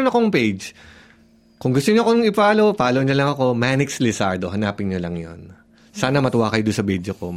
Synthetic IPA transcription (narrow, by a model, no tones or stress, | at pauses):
ʊnɐkoŋpejd͡ʒ | kʊŋɡʊst̪ʊɲoɐkonɐŋɪpaːlo̞paːloʔɲɐlɐŋɐko̞manɪkslɪsaɹd̪oɦɐnaːpɪnɲolɐŋjo̰n | saːnɐmɐt̪ʊwaːkɐjod̪ʊnsɐbɛd͡ʒoko